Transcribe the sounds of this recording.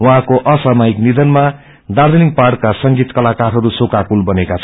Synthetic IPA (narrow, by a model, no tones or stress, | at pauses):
wʌɦãkoʔʌsʌmʌiknid̪ʌnma | d̪aɾd̪ʌniŋkparʈkasʌŋɡit̪kʌlakarɦʌɾusokakulbʌnekat͡sʰ